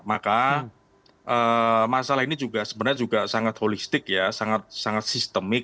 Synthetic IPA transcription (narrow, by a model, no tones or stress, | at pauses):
maka | ʔəːmasalahinid͡ʒuɡasəbənəɲd͡ʒuɡasaŋat̪̚holist̪ɪkjasaŋat̪̚saŋat̪̚sist̪əmɪk̚